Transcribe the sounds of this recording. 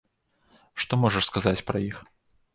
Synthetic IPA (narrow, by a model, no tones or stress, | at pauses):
ʂt̪ɔmɔʐɐʂskazat͡sʲpɾɐjix